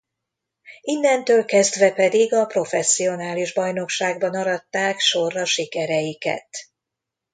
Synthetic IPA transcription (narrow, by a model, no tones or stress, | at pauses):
inːɛnt̪øːlkɛzd̪ʋɛpɛd̪iɡɒpro̞fɛsːio̞naːliʒbɒjno̞kʃaːɡ̚bɒnɒɾɒt̪ːaːkʃo̞rːɒʃikɛɾɛjikɛ̰t̪